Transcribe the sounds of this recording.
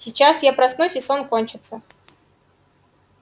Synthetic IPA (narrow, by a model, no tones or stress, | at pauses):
sʲɪt͡ɕasjapɾɐst̪nojsʲɪsonkonʲt͡ɕɪt̪sə